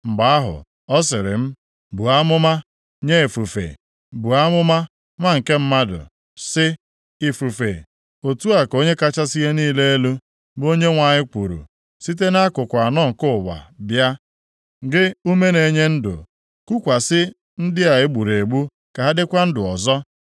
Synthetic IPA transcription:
m̩˨ɡ͡ba˨˦a˦ɦʊ̰˨ | ɔ˦s̬ɪ˨ɾɪ̰˨m̩˦ | bu˨a˦mʊ˦ma˦ | ɲe˦e˨fu˨fḛ˨ | bu˨a˦mʊ˦ma˦ | ŋʷa˦ŋ̩˨ke˦m̩˦ma˦dʊ̰˨ | sɪ˦ | i˨fu˨fḛ˨ | o˨tu˦a˨ko˦ɲe˦ka˦t͡ʃa˦si˦ɣe˦niː˦le˦e˦lu˦ | bo˦ɲe˦ŋʷa˨ɲɪ˦ku˨ɾṵ˨ | si˦t̬e˦na˦kʊ˨kʷa˨nɔ˦ŋ̩˨kʊ˦ʊ˨wa̰˨bja˦ | ɡɪ˦u˦me˦ne˨ɲe˦n̩˦dʊ̰˨ | ku˦kʷa˨sɪ˦ | n̩˦dɪ˦a˨ɪ˦ɡ͡bu˨ɾe˨ɡ͡bu˦ | ka˨ɦa˦dɪ˦kʷa˦n̩˦dʊ˨ɔ˨zɔ˦

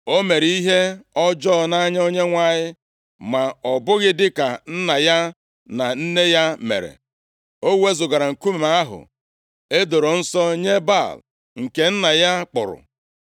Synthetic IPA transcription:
o˦me˨ɾi˦ɦe˦ɔ˦d͡ʒɔ˦˨na˦ɲ˦o˦ɲe˦ŋʷa˦˨ɲɪ˦ | ma˨ɔ˨bʊ˦ɣɪ˦dɪ˦ka˨n̩˦na˨ja˦ | na˨n̩˦ne˦ja˦mḛ˨ɾḛ˨ | o˦we˦zʊ˨ɡa˨ɾa˨ŋ̩˨ku˦me˨ma˦a˦ɦʊ̰˨ | e˦do˨ɾo˨n̩˦sɔ˦ɲe˦ba˦˨l | ŋ̩˨ke˨n̩˦na˨ja˦k͡pʊ˨ɾʊ̰˨

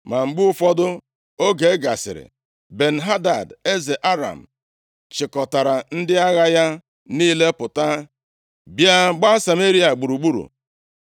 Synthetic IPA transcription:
ma˨ŋ͡m̩˨ɡ͡bʊ˦ʊ˦fɔ˦dʊ˦ | o˦ɡe˨˦ɡa˨sɪ̰˨ɾɪ̰˨ | be˨n̩˨ɦa˦da˨de˦ze˨ʔa˦ɾa̰˨m̩˨ | t͡ʃɪ˨kɔ˨ta˨ɾa˨n̩˦dɪ˦a˦ɣa˦ja˦ | niː˦le˦pʊ˨ta˦ | bja˦ɡ͡ba˦sa˨me˦ɾi˦a˨ɡ͡bu˨ɾu˨ɡ͡bu˦ɾṵ˨

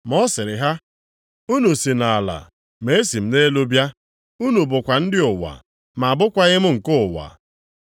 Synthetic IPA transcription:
m˨ɔ˦sɪ˨ɾɪ˨ɦa˦ | u˦no˨si˨na˨la̰˨ | me˨e˦si˨m̩˦ne˦lo˦bja˦ | u˦nu˨bʊ˨kʷa˨n̩˦dɪ˦ʊ˨wa̰˨ | ma˨a˨bʊ˦kʷa˦ɣɪ˦m̩˦ŋ̩˨kʊ˦˨wa̰˨

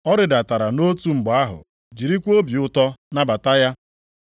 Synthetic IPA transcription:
ɔ˦ɾɪ˨da˨ta˨ɾa˨no˦tu˦ŋ͡m̩˨ɡ͡ba˦ɦʊ̰˨ | d͡ʒi˨ɾi˦kʷo˦bi˨ʊ˦tɔ˦na˦ba˨ta˦ja˦

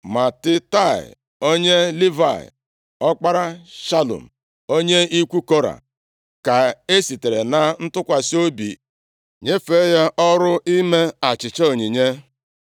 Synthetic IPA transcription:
ma˨tɪ˦ta˦˨ɪ̰˨ | o˦ɲe˦li˦va̰˨ɪ̰˨ | ɔ˦k͡pa˦ɾa˦ʃa˦lṵ˨m̩˨ | o˦ɲe˦i˦kʷu˦ko˦ɾa̰˨ | ka˨e˦si˨te˨ɾe˨na˨n̩˦tʊ˦kʷa˨si˦o˦bḭ˨ | ɲe˦fe˦ja˦ʔɔ˦ɾʊ˦i˦me˦a˨t͡ʃɪ˨t͡ʃe˦o˨ɲi˨ɲe˦

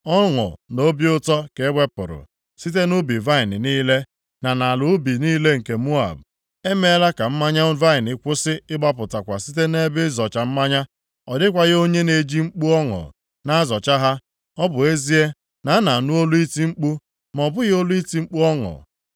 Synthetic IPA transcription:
ɔ˦ŋʊ̰˨no˦bjʊ˦tɔ˦ke˨˦ɡ͡be˦pʊ̰˨ɾʊ̰˨ | si˦t̬e˦nʊ˦bi˨va˦ɪ˨nɪ˨niː˦le˦ | na˨na˨lʊ˨˦bi˨niː˦le˦ŋ̩˨ke˨mu˦a̰˨b̚ | e˦me˦la˦ka˨m̩˦ma˦ɲa˦va˦ɪ˨nɪ˨kʷʊ˦sɪ˦ɪ˦ɡ͡ba˦p̬ʊ˨ta˨kʷa˨si˦te˦ne˦bɪ˦zɔ˨t͡ʃa˨m̩˦ma˦ɲa˦ | ɔ˨dɪ˦kʷa˨ɣɪ˦o˦ɲe˦ne˨d͡ʒi˦ŋ͡m̩˦k͡pu˦ɔ˦ŋɔ̰˨ | na˦zɔ˨t͡ʃa˦ɦa˦ | ɔ˦bʊ˨e˦zi˦e˦ | na˨a˦na˨a˨nu˦o˦lu˦i˦ti˦ŋ͡m̩˦k͡pu˦ | m˨ɔ˨bʊ˦ɣɪ˦o˦lu˦i˦ti˦ŋ͡m̩˦k͡pu˦ɔ˦ŋɔ̰˨

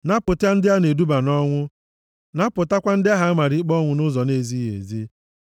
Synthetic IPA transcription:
na˦pʊ˨ta˦n̩˦dɪ˦a˦ne˨du˦ba˨nɔ˦ŋʷʊ˦ | na˦pʊ˨ta˦kʷa˦n̩˦dɪ˦a˦ɦa˦ma˨ɾɪ˨˦k͡pɔ˦ŋʷʊ˨nʊ˦zɔ˨ne˦zi˦ɦḛ˨zi˦

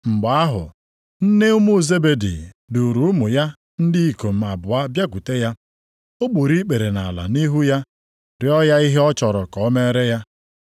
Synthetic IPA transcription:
ŋ͡m̩˨ɡ͡ba˨a˦ɦʊ̰˨ | n̩˦ne˦ʊ˦mu˦˨ze˦be˨dḭ˨ | du˨ɾu˨ʊ˦mʊ˨ja˦ | n̩˦dɪ˦i˨ko˨m̩˨a˨bʊ˨a˦bja˦ku˨te˦ja˦ | o˦k͡pu˨ɾi˦k͡pe˨ɾe˨na̰˨la̰˨ni˦ɦu˦ja˦ | ɾɪ˨ɔ˦ja˦i˦ɦe˦ɔ˦t͡ʃɔ˨ɾɔ˨kɔ˨˦me˦ɾe˦ja˦

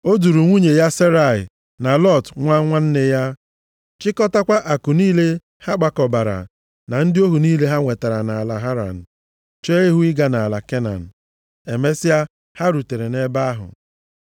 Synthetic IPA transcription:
o˦du˨ɾu˨ŋʷu˦ɲe˨ja˦se˦ɾa˨ɪ̰˨ | na˨lɔ˦˨tŋʷa˦ŋʷa˦n̩˦ne˦ja˦ | t͡ʃɪ˦kɔ˦ta˦kʷa˦ʔa˨ku˨niː˦le˦ | ha˦ɡ͡ba˨kɔ˨ba˨ɾa̰˨ | na˨n̩˦dɪ˦o˦ɦu˨niː˦le˦ɦa˦ŋʷe˨ta˨ɾa˨na˨a˨la˨ɦa˦ɾa̰˨n̩˨ | t͡ʃe˦e˦ɦu˦ɪ˦ɡa˨na˨la˨ke˦na̰˨n̩˨ | e˨me˦sɪ˦a˦ | ha˦ɾu˨te˨ɾe˨ne˦ba˦a˦ɦʊ̰˨

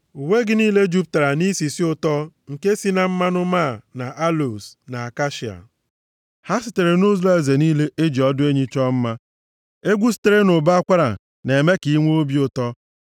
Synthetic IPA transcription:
u˨we˦ɡɪ˦niː˦le˦d͡ʒu˦p̚ta˨ɾa˨ni˦si˨si˦ʊ˦tɔ˦ŋ̩˨ke˦si˦na˦m̩˦ma˦nʊ˦ma˦˨na˨ʔa˦lo˨sna˨a˨ka˦ʃi˨a̰˨ | ha˦sɪ˨te˨ɾe˨nʊ˦za˦e˨ze˨niː˦le˦ʔe˦d͡ʒi˨ɔ˦dʊ˦e˦ɲi˦t͡ʃɔ˦m̩˦ma˦ | e˦ɡʷu˦si̥˦te˨ɾe˦nʊ˨ba˦a˦kʷa˦ɾa̰˨ | ne˨me˦ki˨˦ŋʷe˦o˦bi˦ʊ˨tɔ˦

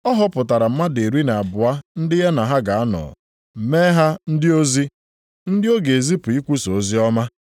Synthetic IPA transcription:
ɔ˦ɦɔ˦pʊ˨ta˨ɾa˨m̩˦ma˦de˨ɾi˦na˨a˨bʊ˨a˦n̩˦dɪ˦ɦe˦na˨ɦa˦ɡa˨a˦nɔ̰˨ | m̩˨me˦ɦa˦n̩˦dɪ˦o˦zi˦ | n̩˦dɪ˦o˦ɡe˨e˨zi˦pʊ˨i˦kʷu˦so˨o˨zi˦ɔ˦ma˦

